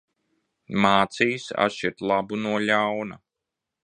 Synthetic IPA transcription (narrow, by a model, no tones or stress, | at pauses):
maːt̪sijsa̰t̪ʃiɾt̪lˠabunuɔʎawna